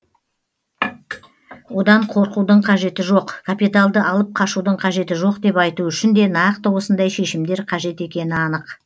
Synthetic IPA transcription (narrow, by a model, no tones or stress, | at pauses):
wo̞d̪ɑɴqʰo̞ɾqud̪əɴqʰɑʒe̞t̪ɪʒo̞qkʰapit̪alˠd̪əʔɑlˠəp̚qʰɑʃud̪əɴqʰɑʒe̞t̪ɪʒo̞qd̪e̞pɑjt̪uʏʃɪnd̪e̞nɑqt̪əwo̞sənd̪ɑjʃe̞ʃɪmd̪e̞ɾqʰɑʒe̞t̪e̞kʲe̞nɪɑnəq